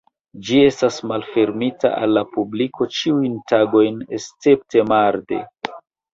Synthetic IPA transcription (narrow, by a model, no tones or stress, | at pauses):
d͡ʒie̞stasmalfe̞ɾmita̰a̰lːapubliko̞t͡ʃiujntaɡo̞jnest͡se̞p̚te̞maɾde̞̰